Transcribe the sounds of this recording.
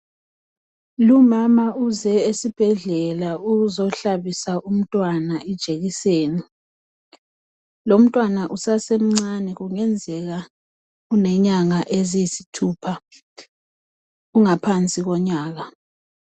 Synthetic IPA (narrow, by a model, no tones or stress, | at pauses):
lumamauzɛesib̥ʱɛɮɛlauɣuzɔɬaβisaʔum̩tʼwanaɛd̥ʒ̥ʱeɣiseːni | lom̩tʼwanaʔusasem̩ŋ͡ǀanɛɣuŋɛnd͡zʱɛɣa | unɛɲaŋaʔeziisitʰuːpʰa | uŋapʰant͡sʼiɣɔɲaːɣa